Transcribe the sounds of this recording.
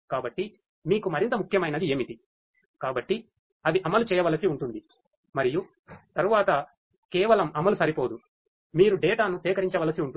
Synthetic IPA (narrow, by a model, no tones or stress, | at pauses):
kaːbɐʈːi | miːkumɐɾint̪ɐmukʰːjɐmɐjnɐd̪ieːmit̪i | kaːbɐʈːi | ɐʋiʔɐmɐlut͡ʃɛːjɐʋɐlɐsiuɳʈund̪i | mɐɾiju | t̪ɐɾuʋaːt̪ɐ | kɛːʋɐlɐmɐmɐlusɐɾipo̞ːd̪u | miːɾuɖɛːʈaːnusɛːkɐɾiɲt͡ʃɐʋɐːlɐsiuɳʈu